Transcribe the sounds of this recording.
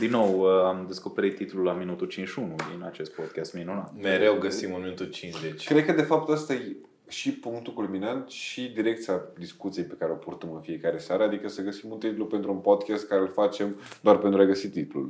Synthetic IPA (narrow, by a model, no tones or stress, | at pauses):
d̪inːowamd̪e̞sko̞peɾit̪ːit̪lulaminut̪ut͡ʃinʃunud̪inat͡ʃe̞st̪̚pod̪̚kʲast̪minunat̪meɾewɡəsimunminut̪ut͡ʃinzet͡ʃʲkɾe̞d̪̚kəd̪e̞fap̚t̪ast̪aj | ʃipuŋk̚t̪ukulminant̪ʃid̪iɾe̞k̚t̪siad̪iskut̪sijejpe̞kaɾeo̞purt̪əmɨnfie̞kaɾe̞saɾəad̪ikəsəɡəsimunt̪it̪lupe̞nt̪ɾuunpod̪kʲast̪̚kaɾelfat͡ʃe̞md̪oarpent̪ɾuajɡəsit̪it̪lṵl